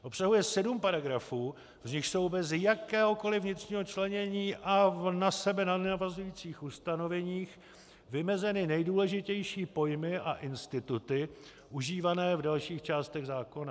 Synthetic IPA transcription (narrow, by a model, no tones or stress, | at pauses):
ʔo̞psaɦujɛsɛdumpaɾaɡɾafuː | vzɲɪxso̞wbɛzɪjakɛːɦo̞ko̞lɪvɲɪt̪r̝̥ɲiːɦo̞t͡ʃlɛɲɛɲiːʔanasɛbɛnanavazujiːt͡siːxʔust̪ano̞vɛɲiːx | vɪmɛzɛnɪnɛjduːlɛʒɪcɛjʃiːpo̞jmɪʔaʔɪnst̪ɪt̪ut̪ɪ | ʔuʒiːvanɛːvdalʃiːxt͡ʃaːst̪ɛɣzaːko̞na